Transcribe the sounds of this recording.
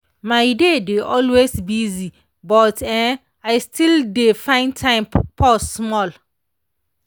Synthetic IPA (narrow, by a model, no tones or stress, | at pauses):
maɪdedeʔɔlwesbizi | bɔtʰɛ̃ | aɪstildefãɪ̃ntʰãɪ̃mfɔsmɔl